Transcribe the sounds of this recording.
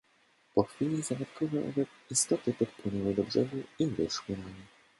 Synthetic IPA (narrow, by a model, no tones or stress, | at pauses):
pɔxfʲilʲizaɡat̪kʰɔvɛʔɔ̰vɛt | ist̪ɔt̪ɘpɔt̪̚pwɘnɛwɘd̪ɔbʐɛduivɛ̰ʂwɘɾami